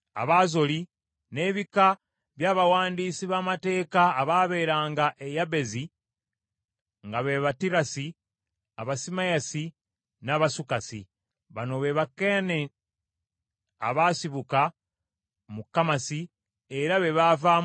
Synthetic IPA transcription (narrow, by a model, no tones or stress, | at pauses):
a̰βazo̞li | ne̞ːβika | βjaːβawaːndiːsiβaːmate̞ːkaːβaːβe̞ːɾaːŋɡaʔejaβe̞zi | ŋɡaβeβatiɾasi | aβasimajasi | naːβasukasḭ | βano̞βe̞βake̞ne | a̰βaːsiβuka | mukːamasi | e̞ɾaβe̞βavaː